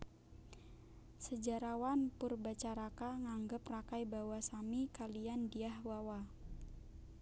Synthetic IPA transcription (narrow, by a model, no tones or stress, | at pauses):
səd͡ʒaɾawanpurbat͡ʃaɾakaŋaŋɡəprakajbawasamikaliandiahwawa